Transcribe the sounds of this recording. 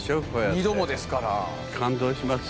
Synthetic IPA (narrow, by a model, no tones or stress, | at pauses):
ɕoɸojaid̪omod̪esɨ̥kaɾa̰ | kʰãnd̪o̞ːɕimas